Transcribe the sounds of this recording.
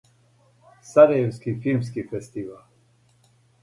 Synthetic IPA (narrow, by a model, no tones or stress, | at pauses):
saɾajɛwskifilms̬kifɛst̪ival